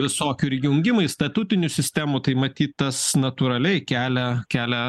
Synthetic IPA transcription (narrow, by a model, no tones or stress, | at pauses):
ʋʲɪsoːkʲuɪɾʲjʲɪʊŋʲɡʲɪmɐɪst̪ɐt̪ut̪ʲɪnʲuːsʲɪsʲt̪ʲæmuːt̪ɐɪmɐt̪ʲiːt̪t̪ɐsnɐt̪uːɾɐlʲɛɪkʲæːlʲɛkʲæːlʲɛ